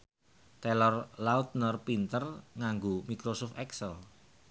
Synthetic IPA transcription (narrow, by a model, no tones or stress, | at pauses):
t̪ɛlɔrlaut̪̚nərpint̪ərŋaŋɡomikɾosʊft̪ɛksəl